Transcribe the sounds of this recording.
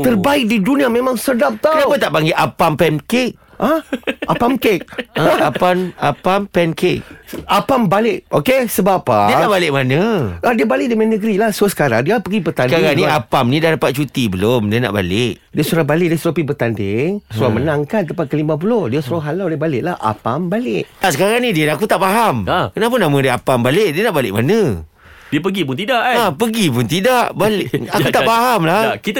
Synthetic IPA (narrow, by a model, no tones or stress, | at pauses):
ərbaɪk̚didunĩamẽmãŋsədap̚t̪aənawpət̪aʔbaŋɡiʔapampɛnkek̚ | ʔaʔapamkek̚əapanapampɛnkek̚apambalɪʔokesəbapadiənaʔbalɪʔ̚manəadiəbalɪʔdəmanəɡəɾilahsuəsə̥kaɾa̰ŋdiapəɡipət̪asnkaɾaŋnĩapamnĩdahdapat̪̚t͡ʃut̪ibəlomdiəna̰ʔba̰lɪʔ | diəsuɾabalɪʔ̚diəsuɾapibərt̪andɪŋsuɾamənaŋkant̪əmpat̪̚kəlimãp̬ulohdiəsuɾaɦalawlɪbalɪʔlahʔa̰pambalɪʔaʔsəkaɾaŋnidiəlak̬ut̪aʔpaɦamkənap̬ʊnːamãdiəapambalɪʔdiənaʔbalɪʔ̚manə̃ | diəp̬əɡip̬ʊnt̪idaʔapəɡip̬ʊnt̪idaʔbalɪʔakut̪apaɦamlakit̪